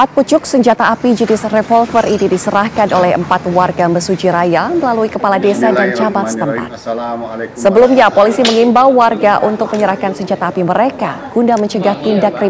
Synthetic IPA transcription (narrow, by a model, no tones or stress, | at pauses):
pat̪̚put͡ʃʊk̚səɲd͡ʒat̪aːpid͡ʒənɪsrefɔlfərinidisəɾahkanolɛɦə̰mpat̪warɡaməsud͡ʒiɾajaməlaluikəpaladesadant͡ʃabat̪̚sə̥t̪əmpa̰t̪̚ | səbəlumɲapolisiməŋimbawːarɡaʔunt̪ʊk̚məɲəɾahkansəɲd͡ʒat̪aːpiməɾekaɡ̥undaməɲt͡ʃəɡaht̪indakɾi